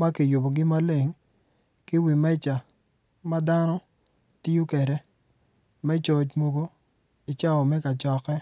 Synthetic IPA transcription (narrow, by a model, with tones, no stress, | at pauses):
ma˦kɪ˨jʊ˨bo˨ɡɪ˦ma˦le˨ŋ | kɪ˦wi˨mɛ˦t͡ʃa˨ | ma˦da˦nɔ˦ | ti˦o˦kɛ˨ɾɛ˨ | mɛ˦t͡ʃɔ˦t͡ʃmo˦ɡo˦ | ɪ˨t͡ʃa˦ɔ˨mɛ˦ka˨t͡ʃɔ˨kɛ˦